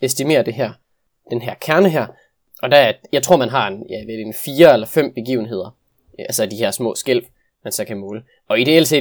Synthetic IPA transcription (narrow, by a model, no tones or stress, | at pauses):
esd̥ime̝̰ːɐd̥e̝ɦæɐ̰ | d̥enɦæɐ̰kʰæɐnəɦæɐ̰ | ɒ̽d̥ææɐjɑ̈ɪt͡sʰʁo̝ɐ̰mænɦɑ̈e̝njæʋed̥eenfiːɐelɐfem̰b̥e̝ɡ̥ḭːʊn̩ɦe̝ð̞̰ˠɐ | ælsəd̥iheɐsmɔ̰̽ːsɡ̥el̰ | mænsɛkʰæmɔːlə | ɒ̽id̥e̝else̝̰ː